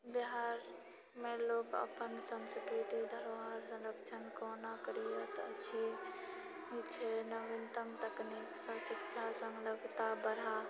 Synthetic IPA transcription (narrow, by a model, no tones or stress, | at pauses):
biɦaɾ | melokə̰pənsənskɾit̪id̪ʱəɾoɦəɾsə̃ləkt͡ʃʰənkonakəɾijət̪ət͡ʃʰi | ɦit͡ʃʰenəʋent̪əmt̪əkniksə̃sikt͡ʃʰasə̃ŋɡləɡt̪abəɾa